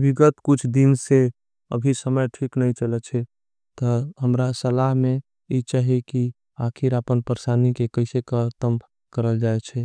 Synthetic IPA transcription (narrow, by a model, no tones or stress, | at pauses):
biɡət̪kut͡ʃʰd̪inse | ə̰bʱisəməjʈʰiknəit͡ʃələt͡ʃʰɛ | t̪ɔɦəmɾasəlaɦme | it͡ʃaɦeki | akʰiɾəpənpəɾsanikekəɪsekəɾt̪əm | kəɾəld͡ʒaɛt͡ʃʰɛ